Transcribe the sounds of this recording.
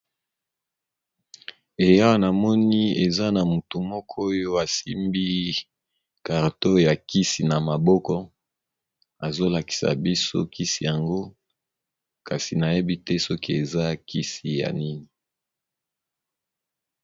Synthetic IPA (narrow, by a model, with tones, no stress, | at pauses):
e˨ja˦wa˦na˨mɔ˦ni˦e˨za˦na˨mu˨tu˨mɔ˦kʰɔ˦jo˦a˨si˦mbi˦ | ka˨ʁto˦ja˨ki˦si˨na˨ma˨bɔ˦kɔ˦ | a˨zo˦la˨ki̥˨sa̰˨bi˦so̰˦ki˦si˨ja˨ŋɡo˦ | ka˨si˨na˨je˦bi˦tɛ˦sɔ˦ki˦˨e˨za˦ki˦si˨ja̰˨ni˦ni˨